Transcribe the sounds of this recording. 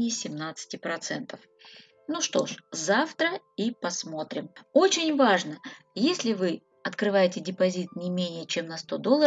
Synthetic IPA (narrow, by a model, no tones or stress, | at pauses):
ɪjɪsʲɪmnat̪sɨ̥tʲɪpɾɐt̪sɛnt̪əf | nuʂt̪o̞̰ʂzaft̪ɾəipɐsmo̞t̪ɾʲɪmo̞t͡ɕɪnʲvaʐnəjesʲlʲɪvɨ | ɐt̪kɾɨvajɪtʲɪdʲɪpɐzʲit̪̚nʲɪmʲenʲɪjət͡ɕe̞mnɐst̪o̞d̪o̞lˠːə